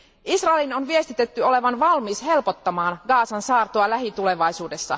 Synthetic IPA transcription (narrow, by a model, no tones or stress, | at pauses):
ʔisrɑelino̞nʋie̞st̪it̪et̪ːyo̞le̞ʋɑnʋɑlmiːsɦe̞lpo̞t̪ːɑmɑːnɡɑːsɑnsɑːrt̪oɑlæɦit̪ule̞ʋɑjsuːde̞sːɑ̰